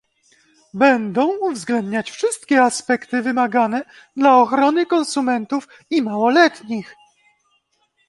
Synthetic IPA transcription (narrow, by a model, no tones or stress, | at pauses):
bɛnd̪ɔ̃w̃uvzɡlɛnd̪ɲat͡ɕfʂɘst̪kʲɛaspɛkt̪ɘvɘmaɡanɛ | d̪laɔxɾɔnɘkɔnsumɛnt̪uf | imawɔlɛt̪ɲix